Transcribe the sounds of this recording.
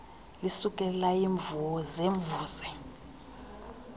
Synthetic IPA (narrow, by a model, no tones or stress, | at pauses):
lisuk̬ʼɛlaiːɱvuwɔzeːɱbvuːsɛ